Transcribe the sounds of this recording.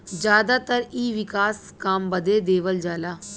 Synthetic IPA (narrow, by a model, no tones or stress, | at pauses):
d͡ʒjaːd̪aːt̪əɾiːʋɪkaːskaːmbəd̪eːd̪eːʋəld͡ʒaːlaː